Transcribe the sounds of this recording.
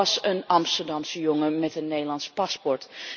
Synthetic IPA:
sənɑmstərdamsəjoŋəmɛtənːeːlˠɑnspaspɔrt

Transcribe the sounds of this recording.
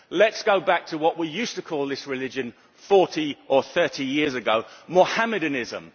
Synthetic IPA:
lətsɡ̥oʊbak̚tʰəwɒʔwijʉˑstəkʰɔːlˠðɪsɹɪlɪd͡ʒə̃n | fɔˑtiʔəθɜˑtʰijɪəzəɡoʊməhamədɨnɪzə̰̃m

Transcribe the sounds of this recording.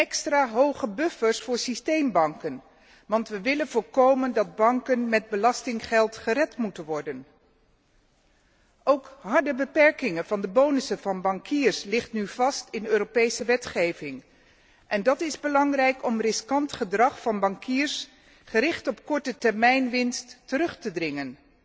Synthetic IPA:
ɛkstraːɦowχəbɵfəɹsfʊːɹsistejmbɑŋkən | ʋɑntʋəʋɪlənvoːlˠkowməndɑd̚bɑŋkənmɛd̚bəlɑstɪŋχɛlˠtχərɛtmutənʋɔɹdən | ʔowkɦɑɹdəbəpɛɹkɪŋənvɑndəbownəsəvɑnbɑŋkiːɹslɪχtnyv̥ɑstɪnøːropejsəʋɛtχejvɪŋ | ʔɛndɑtɪzbəlɑŋrɛjkɔmrɪskɑntχədrɑχfɑnbɑŋkʰiːɹs | χəɾɪχtɔpkɔɹtətɛɹmɛjnʋɪnstːəɾɵχtədrɪŋən

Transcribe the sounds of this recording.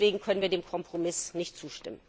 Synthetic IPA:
v̥eːɡŋ̩kʰœnənviːɐdeːmkʰɔmpʁ̥omɪsnɪçtt͡suːʃtɪmən

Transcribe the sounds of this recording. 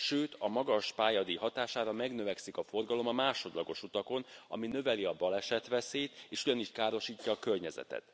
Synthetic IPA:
ʃøːt̪ɒmɒɡɒʃpaːjɒd̪iɦɒt̪aːʃaːɾɒmɛɡnø̞vɛksikɒfo̞rɡɒlo̞mɒmaːʃo̞d̪lɒɡo̞ʃut̪ɒko̞nɒ̰minø̞vɛliɒbɒlɛʃɛt̪ʋɛseːt̪eːʃuɟɒniʃkaːɾo̞ʃiːcːɒːkørɲɛzɛ̰t̪ɛ̰t̪

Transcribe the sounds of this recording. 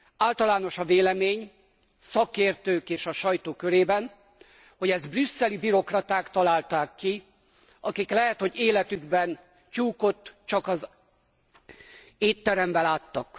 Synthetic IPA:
aːlt̪ɒlaːno̞ʃɒveːlɛmeːɲ | sɒkeːrt̪øːkeːʃɒʃɒjt̪oːkøɾeːbɛn | ho̞ɟɛzd̪brysːɛlibiɾo̞krɒt̪aːkt̪ɒlaːlt̪aːkːi | ɒkiklɛɦɛt̪ho̞ɟeːlɛt̪yɡbɛn | t͡ʃuːko̞t̪ːt͡ʃɒkɒz | eːt̪ːɛɾɛmbɛlaːt̪ːɒk

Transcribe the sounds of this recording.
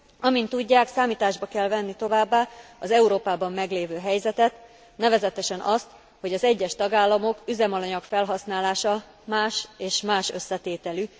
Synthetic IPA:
ɒmint̪ːuɟːaːksaːmiːt̪aːʒbɒkɛlvɛnːit̪o̞vaːbːaːɒzɛuɾoːpaːbɒmːɛɡleːvøːɦɛjzɛt̪ɛt̪ | nɛvɛzɛt̪ɛʃɛnʔɒst̪ | ho̞ɟɒzɛɟːɛʃt̪ɒɡaːlːɒmo̞kyzɛmɒlɒɲɒkfɛlɦɒsnaːlaːʃɒ | maːʃeːʃmaːʃø̞sːɛt̪eːt̪ɛly

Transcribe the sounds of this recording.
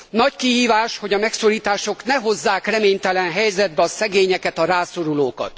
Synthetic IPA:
nɒckiɦiːvaːʃho̞ɟɒmɛkso̞ɾiːt̪aːʃo̞knɛɦo̞zːaːkrɛmeːɲt̪ɛlɛnɦɛjzɛd̪̚bɛɒsɛɡeːɲɛkɛt̪ɒɾaːso̞ɾuloːkɒ̰t̪

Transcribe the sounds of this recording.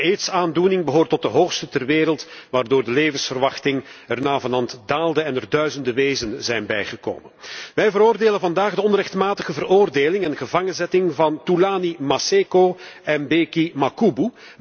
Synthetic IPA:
eːtsaːndunɪŋbəɦoːrtɔt̚dəɦoːxstətɛrʋeːɾəlˠtʋaːrdoːrdəleːvənsfərʋɑxtɪŋɛrnaːvɑnɑntdaːlˠdəɛnərdœɥzəndəʋeːzənzɛjnbɛjχəko̰ːmənʋɛjvəɾoːrdeːlənvɑndaːɣdəɔnrɛxtmaːtəɣəvəroːrdeːlɪŋɛnɣəvɑŋənzɛtɪŋvɑntulaːnimaseːkoːɛmbeːkimakubu

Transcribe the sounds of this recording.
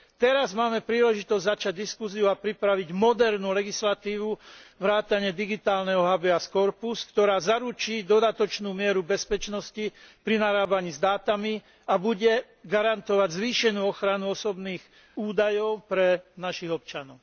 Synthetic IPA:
t̪ɛɾazmaːmɛpɾiːlɛʒit̪ɔzɟʲzat͡ʃaɟd̪iskuziuapɾipɾaʋiɟmɔd̪ɛɾnuːlɛɡislat̪iːʋuʋɾaːt̪aɲɪɛd̪iɡit̪aːlnɛɦɔɦabɛaskɔɾpuskt̪ɔɾaːzaɾut͡ʃiːd̪ɔd̪at̪ɔt͡ʃnuːmɪɛɾubɛspɛt͡ʃnɔscipɾinaɾaːbaɲiːzd̪aːt̪ami | abuɟɛ | ɡaɾant̪ɔʋaɟzʋiːʃɛnuːɔxɾanuɔsɔbniːɣ | uːd̪ajɔʊpɾɛnaʃiɣɔp̚t͡ʃanɔʊ

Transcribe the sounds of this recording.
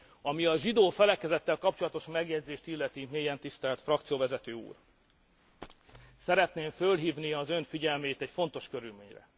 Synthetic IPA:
ɒmiɒʒid̪oːfɛlɛkɛzɛt̪ːɛlkɒp̚t͡ʃolɒt̪o̞ʃmɛɡjɛɟzeːʃt̪ilːɛt̪imeːjɛnt̪ist̪ɛlt̪frɒkt̪sijoːvɛzɛt̪øːṵːr | sɛɾɛt̪neːɱfølɦiːvniɒzø̞ɱfiɟɛlmeːt̪ɛɟfo̞nt̪o̞ʃkø̞ɾylmḛːɲrɛ̰

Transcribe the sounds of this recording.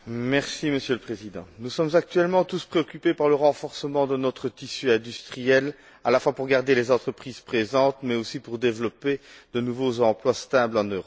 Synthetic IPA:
mɛʁsiməsjøləpχezid̪ɑ̃nusɔmzak̚t̪ɥɛlmɑ̃t̪uspχeɔkʲypepaʁləʁɑ̃fɔʁsəmɑ̃d̪ənɔt̪χət̪isyɛ̃d̪yst̪χijɛl | alafwapuʁɡaʁd̪elɛzɑ̃t̪χəpχiz̥pχezɑ̃t̪mɛosipuʁd̪evlɔped̪ənuvozɑ̃plwast̪ablɑ̃nøʁɔ

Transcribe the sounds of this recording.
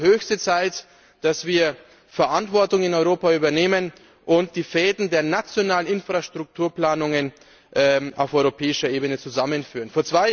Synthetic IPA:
høːçstət͡saɪt | d̥asv̥iːɐ | fɛɐʔantv̥ɔɐtʊŋɪnɔʏʁoːpayːbɐneːmən | ʔʊntd̥iːfɛːdn̩deːɐnat͡sjonaːlənɪnfʁ̥aʃtʁ̥ʊk̚tʰuːɐpl̥aːnʊŋən | ʔaʊfʔɔʏʁopʰɛːɪʃɐʔeːbənət͡suzamənfyːʁənfoːɐt͡sv̥aɪ

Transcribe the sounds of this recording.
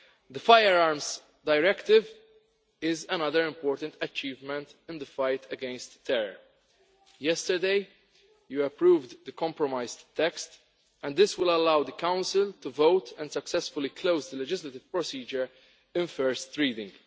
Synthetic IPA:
d̪əfaɪəɾaɹmz | d̪aɪɾɛkt̪ɪv | ɪzɛnʌðəɾɪ̃mpɔːɾt̪ə̃nt̪ɐt͡ʃiːvmɛ̃nt̪ɪ̃nd̪əfaɪt̪ʰɛɡɛ̃nst̪ːɛɾəɹ | jɛst̪əɹd̪eɪ | juɛpɾuːvd̪d̪əkɔ̃mpɹɔmaɪzt̪ːɛkst̪ | ɛ̃nd̪d̪ɪswɪləlawd̪əkãʊ̃nsɪlt̪uvoʊt̪ʰɛ̃nd̪sɐksɛsfʊlikʰloʊzd̪əlɛd͡ʒɪslɐt̪ɪv̥pɹɔsiːd͡ʒəɹ | ɪ̃nfɛɹst̪ɹiːd̪ɪ̃ŋɡ

